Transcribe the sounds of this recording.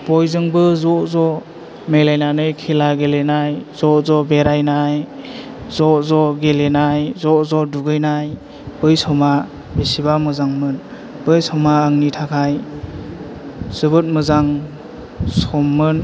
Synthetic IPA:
bɔjzɯŋbɯzɔzɔ | mejlajnanɯjkʰilaɡelenajzɔzɔbeɾajnaj | zɔzɔɡelenajzɔzɔduɡɯjnaj | b̥ɯjsɔma | besibamɯzaŋmɯn | bɯjsɔmaaŋnitʰakʰaj | z̥ɯbɯt̚mɯzaŋ | sɔmːɯn

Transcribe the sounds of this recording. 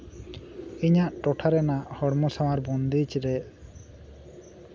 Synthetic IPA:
iɲaʔʈɔʈʰaɾɛnahɔɽmɔsawaɾbɔnd̪it͡ʃɾɛ

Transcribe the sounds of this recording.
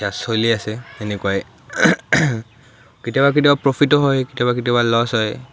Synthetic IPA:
asoliasɛenekuaj | kitijabak̬itibapɹopʰitɔɦɔjkitiabakitiɔbalɔsɦɔj

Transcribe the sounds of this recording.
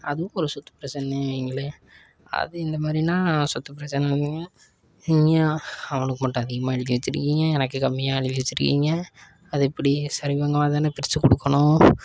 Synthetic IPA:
ɐðɯʋʊ̃ɔɾɯsɔt̪ːɐ̥pɪɾɐt͡ʃːɐnɛiŋɡɐɭe | ɐ̰ðɯɪnd̪ɐmaːd̪ɾinãːsɔt̪ːɐpːɪɾɐt͡ʃːɐnɛɾɯnd̪iŋɡɐ | niŋɡɐɐʋɐɳɯkːɯmɐʈːʊ̃ɐðɪɣɐmaːɛɭɪkːiʋɐt͡ʃːɪɾɯkːiːŋɡɐɛnɐkːɯkɐmːɪjaːɛɭɪkːʋɛt͡ʃːɪɾɯkːḭːŋɡɐ | ɐðɯɛpːɐɽisɐɾɪʋɐŋɡɐmaːðaːnɐpɪɾɪsɯkːɔɽɯkːɐɳʊ̃

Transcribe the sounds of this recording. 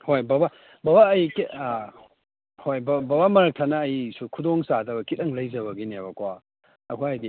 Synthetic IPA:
hojbaba | babaːjki | hojbababamɐɾɐk̚tʰanɐːjsukʰudoŋsadɐbɐkitɐŋlɐjzɐβɐɡinebɐkwa | ɐ̰kʰoajdi

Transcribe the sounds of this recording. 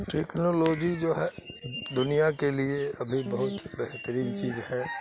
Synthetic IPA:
ʈeːknoloːd͡ʒid͡ʒoːɦɛːd̪ʊnijakelieɐbʱibɐɦʊt̪bɛɦt̪əɾiːnt͡ʃiːzhɛː

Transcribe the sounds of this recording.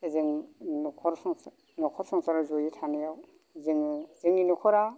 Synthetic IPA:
ezɯŋnɔkʰɔɾsɔŋ | nɔkʰɔɾsɔŋsaɾazojitʰanijaw | zɯŋzɯŋinɔkʰɔɾa

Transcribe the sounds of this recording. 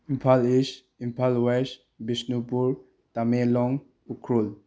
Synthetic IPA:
impʰalis | impʰalwes | bisnupuɾ | tamelɔŋ | ukʰɾul

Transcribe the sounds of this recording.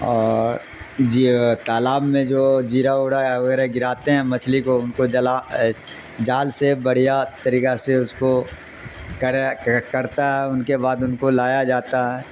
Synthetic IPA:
ɔːɾɾ | d͡ʒit̪aːlaːbmẽd͡ʒoːd͡ʒiːɾaoːɽajaʋɐɡɛːɾeɡɪɾaːt̪eɦɛ̃mɐt͡ʃʰlikoʊnkod͡ʒla | d͡ʒaːlsebɐɽ̤ijat̪ɐɾiːkaseʊsko | kɐɾakɐɾt̪aɦɛʊnkebaːd̪ʊnkolaːjad͡ʒaːt̪aɦɛː

